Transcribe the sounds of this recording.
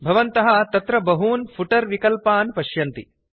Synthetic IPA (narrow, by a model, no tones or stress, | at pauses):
bʱɐʋɐnt̪ɐɦɐt̪ɐt̪ɾɐbɐɦuːnpʰuʈɐɾʋikɐlpaːnpɐʃjɐnt̪i